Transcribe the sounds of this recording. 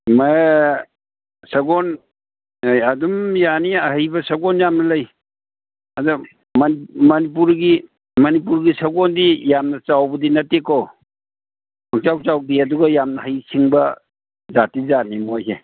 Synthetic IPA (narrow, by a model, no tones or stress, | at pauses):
ma | sɐɡɔn | jadumjaniɐhəjbɐsɐɡɔnjamnɐlɐj | ɐdu | mnmɐnip̬uɾɡi | mɐnipuɾɡisɐɡɔndijamnɐt͡ʃawbɐdinɐteko | ɔŋt͡ʃawt͡ʃawdiɐduɡɐjamnɐhəjsiŋbɐ | zatizanimojse